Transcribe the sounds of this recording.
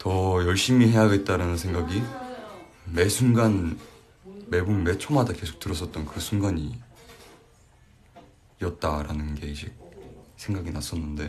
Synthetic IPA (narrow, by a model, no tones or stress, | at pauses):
tʌjʌɭɕ͈imihe̞jaɡe̞t̚t͈aɾanɯnsʰe̞ŋɡaɡi | me̞sʰunɡan | me̞bunme̞t͡ɕʰomadake̞sʰo̥k̚t͈ɯɾʌs͈ʌt̚t͈ʌnkɯsʰunɡaɲi | ʌt̚t͈aɾanɯnɡe̞id͡ʑʰik̚sʰe̞ŋɡaɡinas͈ʌnːɯnde̞